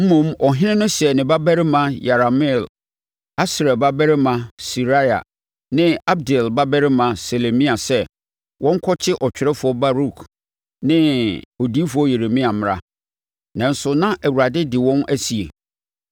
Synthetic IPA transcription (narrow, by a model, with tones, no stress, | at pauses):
m̩˦mũ˦mʔɔ˨ɦɪ̃˦nɪ̃˦nʊ̃˦ɕɛ˨nɪ̃˨ba˦bɛ˦ɾɪ˦mã˦ja˨ɾa˨mɪ˦˨l | a˦sɾɛ˨ba˦bɛ˦ɾɪ˦mã˨si˨ɾa˦ja̰˨ | nɪ̃˦a˦b̚dɛ˨lba˦bɛ˦ɾɪ˦mã˨se˨le˨mĩ˦a˨sɛ˦ | wʔɔ̃˦ŋ̩˦kʰɔ˦t͡ɕʰɪ˦ʔɔ˨t͡ɕᶣɪ˨ɾɛ˦fʊ˨ɔ˦ba˦ɾu˦kʰ | nɪ̃˦o˨di˦fʊ˨ɔ˦je˨ɾe˨mĩ˦a˨m̃˨ɾa̰˦ | nã˨n̩˦sʊ˨nã˦ʔæ˨wu˨ɾa˨dɪ˦dɪ˨wɔ̃˦nʔæ˦si˨e˨